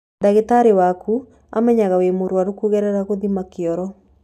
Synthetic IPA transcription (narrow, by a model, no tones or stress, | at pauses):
daɣetaɾewaku | a̰mɛɲaɣawemoɾwaɾokuɣɛɾɛɾaɣoðimakeɔɾɔ